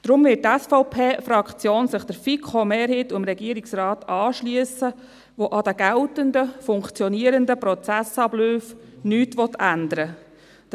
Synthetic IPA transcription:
d̪̥ɾʊmvɪltɛsfɔʊpʰeːfɾɑkt͡sjoːnsɪχd̥̪əɾfikʰomeːɾhit̪umɾɛɡiəɾiksrɑːtɑːʃlyəsə | ʋoʔɑd̪əɡ̥æltəndəfʊŋkt͡sjɔniəɾənd̪əpɾɔt͡sæsɑbløːfnyːtʋɔt̪ʰænd̪əɾə

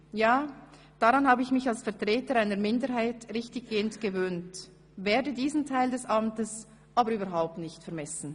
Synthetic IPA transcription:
jaː | d̥aʁanhaːbəɪçmɪçalsfɛɐtʁ̥ɛːtəɾaɪnəɾmɪndəɾɦaɪtʁɪçtɪçɡ̥eːəntɡ̥əvøːnt | veːɐdədiːzn̩tʰaɪldɛsʔamtəs | ʔaːbəɾyːbɐɾɦaʊp̚tnɪçtfɛɐmɛsn̩

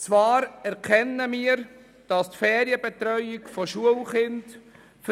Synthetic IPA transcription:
t͡svɑːɾɛɾkʰɛnːəmiːəɾ | d̥ɑstfɛːɾiəbɛt̪ɾœʏɪkfɔʃuəlχɪnd | f

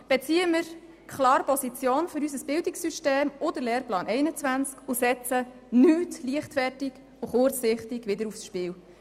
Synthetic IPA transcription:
b̥ɛt͡siːəmɪɾ | kχlɑːɾpɔsit͡sjoːnføɾysəsb̥ɪldɪksyʃteːmʊdəlɛːrplɑːnʔɛɪnət͡sʋænt͡skʊsɛt͡sə | nyːtliəχtfɛrtɪɡ | ʊχʊrt͡sːɪχtɪɡʋɪdəɾufsʃpɪːw

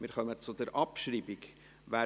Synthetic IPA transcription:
mɪːɾχœmət͡sʊd̪ɛɾʔɑpʃɾiːbiɡ | væː

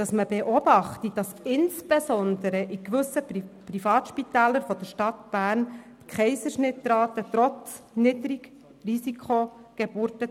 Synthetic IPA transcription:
d̥ɑsməbeʔɔbɑχtid̥ɑsɪnsb̥esɔnd̪əɾəʔikʋʏsəprifɑːt̪ʃpitæːləɾfɔd̥əɾʃtɑt̪b̥æːɾntkχɛɪsəʃnɪtːɾɑːt̪ət̪ɾɔt͡snɪdɾik | risikχoɡ̥ɛb̥uːɾtə

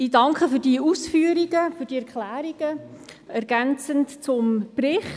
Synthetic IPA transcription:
iːdɑŋkχəfyːɾd̥iːʔusfyːəɾiɡ̥əfyːɾdiːɛɾkχlæːɾiɡ̥əɛɾɡ̥ænt͡səntt͡sʊmprɪχ

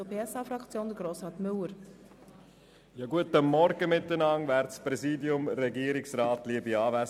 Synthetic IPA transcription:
əpʰeːɛsɑːfɾɑkt͡sjoːnd̪əɡɾoːsʁɑːt̪mʏləɾ | jɑɡuətəmɔɾɡəmɪt̪ːənɑŋvæːɾtspɾɛziːdiʊmɾɛɡiəɾɪksɾɑːtliəbiɑːvæs

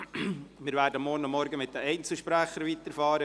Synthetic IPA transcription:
mɪːɾvʋæːɾdəmːɔːnʊmːɔɾɡəmɪt̚d̥̪əɛɪnt͡sl̩ʃpɾæχəɾʋit̪əɾfɑːɾə

